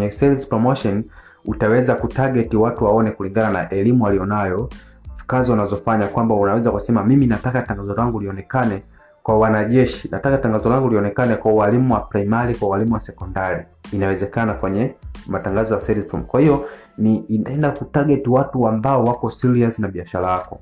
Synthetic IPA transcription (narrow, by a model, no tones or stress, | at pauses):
ɲɛsɛlizpɾɔmɔʃɔn | utawɛzakutaɡɛtiwatuwaɔnɛkuliŋɡananaʔɛlimualijɔnajɔ | kaziwanazɔfaɲakwambaunawɛzakusɛmamiminatakataŋɡazɔlaŋɡuliɔnɛkanɛ | kwawanaʄɛʃinatakataŋɡazɔlaŋɡuliɔnɛkanɛkwauwalimuwapɾaimaɾikwauwalimuwasɛkɔndaɾiː | nawɛzɛkanakwɛɲɛmataŋɡazɔjasɛɾitṵmkwahijɔ | ninaɛndakutaɡɛtiwatuambaɔwakɔsiliansinaɓiaʃalajakɔ